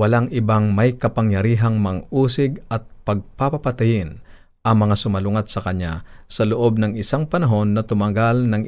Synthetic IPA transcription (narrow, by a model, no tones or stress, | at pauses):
wɐlaŋʔɪbaŋmɐjkɐpɐŋjɐɾiːɦɐŋmɐŋʔuːsɪɡɐt̪̚pɐɡ̚papɐpɐt̪ajɪn | ʔɐŋmɐŋasʊmɐlʊŋat̪̚sɐkɐɲːa̰sɐlʊʔo̞b̚nɐŋɪsaŋpɐnɐɦo̞nːɐt̪ʊmɐɡalnɐŋ